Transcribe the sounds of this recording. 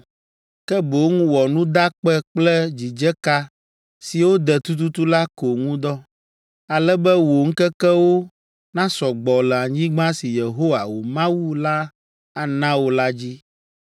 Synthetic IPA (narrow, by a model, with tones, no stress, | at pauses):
kɛ˦bo˨˦ŋũ˦wɔ˨nũ˦d̪a˦k͡pɛ˦k͡plɛ˦d͡ʑi˨d͡ʒɛ˦ka˦ | si˨wo˦d̪ɛ˨t̪u˦t̪̬u˦t̪u˦la˦ko˨ŋũ˦d̪ɔ˦ | a˨lɛ˦bɛ˦wo˨ŋ̩˦kɛ˦kɛ˦wo˦ | nã˦sɔ˨ɡ͡bɔ˨lɛ˨a˨ɲĩ˦ɡ͡bã˦si˨je˨ɦo˦wa˨wo˨mã˦wu˦la˦ | a˨nã˦wo˦la˦d͡ʑi˦